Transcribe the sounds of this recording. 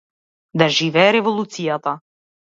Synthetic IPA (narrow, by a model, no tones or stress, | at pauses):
d̪aʒivɛːɾɛvɔlˠut̪sijat̪a